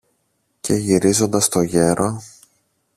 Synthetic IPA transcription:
cʰe̞ʝiɾizo̞nd̪ɐst̪o̞ʝe̞ɾo

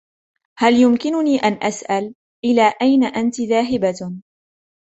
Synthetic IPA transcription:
haljʊmkɪnʊniːʔanʔasʔal | ʔɪlaːʔajnaʔant̪ɪðaːɦɪba

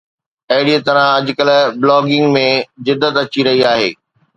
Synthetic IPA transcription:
ɐɦɪɽit̪ɐɾãɐd͡ʑkɐlblɔːɡɪ̃ŋɡmẽd͡ʑɪd̪ːət̪ɐt͡ɕiɾɐɦiaːɦḛː

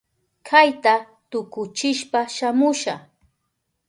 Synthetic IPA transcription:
kʰajt̪a | t̪ʊkʊt͡ʃɪʃpaʃamʊʃaχ

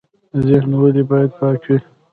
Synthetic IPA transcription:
zɪxnawəlibɑjad̪̚pɑkwi

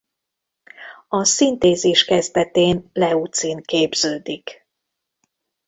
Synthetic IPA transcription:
ɒsint̪eːziʃkɛzd̪ɛt̪eːnlɛut̪sinkeːbz̥øːd̪ik

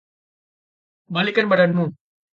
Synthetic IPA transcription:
maliʔkanbadanmũ

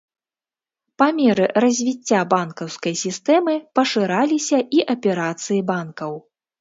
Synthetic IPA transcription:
pamʲɛɾɨɾɐzʲvʲit͡sʲːabankɐwskɐjsʲist̪ɛmɨpɐʂɨɾalʲisʲɐʔiʔɐpʲɛɾat̪sɨjibankɐw

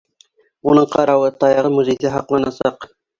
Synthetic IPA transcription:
unɤɴqɑɾɑwɤt̪ɑjɑʁɤmuzʲejsæɦɑqlˠɑnɑsɑq

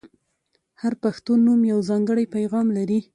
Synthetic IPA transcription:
haɾpaxt̪unːumjawzɑŋɡəɽajpajɣɑmlaɾi

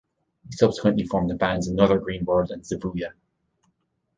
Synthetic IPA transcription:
hisʌb̥sɪ̥kwə̃nʔlifɔɹmðəbæ̃ndzə̃nʌðə˞ɡɹĩnwɜ˞də̃nsɪbuljə

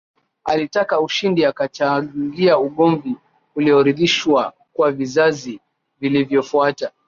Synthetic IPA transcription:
alitakauʃindiakat͡ʃaŋɡiauɠɔɱvi | uliɔɾiðiʃwa | kwavizazi | vilivjɔfuata

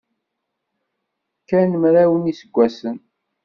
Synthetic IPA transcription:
kænəmɾæwənisəɡʷːæsən

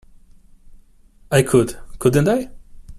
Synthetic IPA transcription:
aɪkʰʊdkʰʊd̃ⁿn̩taɪ

